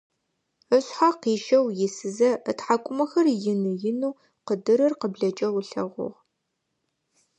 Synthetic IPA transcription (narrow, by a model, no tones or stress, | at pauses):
əɕħaqiːʃɐwjɪsɨzɐətħakʷʼʊmɐxɐrjɪnɨjɪnuː | qədɨɾɨrqəbɮɐt͡ʃʼɐwɬɐʁʷʊ̰ʁ